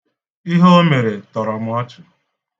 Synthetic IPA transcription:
i˦ɦo˦o˦me˨ɾe˨tɔ˨ɾɔ˨m̩˦ɔ˦t͡ʃʊ˨

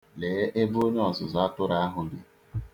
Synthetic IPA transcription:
le˨˦ʔe˦bo˦ɲe˦ɔ˨zʊ˨za˨˦tʊ˦ɾa˦ɦʊ˨ɡɪ˨

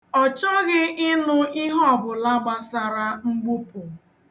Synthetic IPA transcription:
ɔ˨t͡ʃɔ˦ɣɪ˦ʔɪ˦nʊ˦i˦ɦɔ˦˨bʊ˨la˦ɡ͡ba˦sa˨ɾa˦ŋ͡m̩˦ɡ͡bu˦pʊ˨

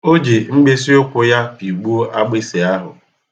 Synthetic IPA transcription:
o˦d͡ʒe˨ŋ͡m̩˦ɡ͡be˦s̬i˦ʊ˦kʷʊ˦ja˦pi˨ɡ͡bu˦o˦ʔa˦ɡ͡bɪ˦se˨a˦ɦʊ̰˨

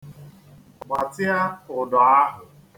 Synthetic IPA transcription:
ɡ͡bʷa˨tɪ˦a˦ʊ˨dɔ˨a˦ɦʊ˨

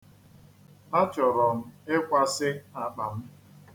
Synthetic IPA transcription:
na˦t͡ʃɔ˨ɾɔ˨m̩˦e˦kʷa˦sɪ˦na˨k͡pa˨m̩˦

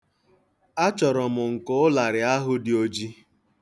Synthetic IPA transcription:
a˦t͡ʃɔ˨ɾɔ˨mʊ˨ŋ̩˨kʊ˦ʊ˦la˨ɾɪ˨a˦ɦʊ˦dɪ˨o˦d͡ʒi˦

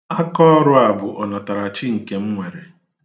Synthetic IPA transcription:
a˦kɔ˦ɔ˦ɾʊ˦a˨bʊ˨ʔɔ˨na˨ta˨ɾa˨t͡ʃɪ˦ŋ̩˨ke˨m̩˦ŋʷe˨ɾe˨

